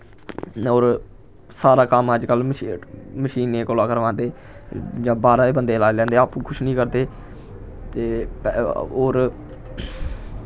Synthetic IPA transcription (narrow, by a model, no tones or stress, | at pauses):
oːɾ | saːɾaːkəməd͡ʒkəl | məʃiːneːkoːlaːkəɾʋãːnd̪eː | d͡ʒãːbaːɾaːeːbənd̪eːlaːelɛ̃ːnd̪eːaːpũːkʰʊʃnĩːkəɾd̪eː | t̪eː | oːɾ